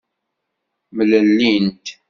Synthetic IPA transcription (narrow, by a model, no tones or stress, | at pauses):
mləlːint̪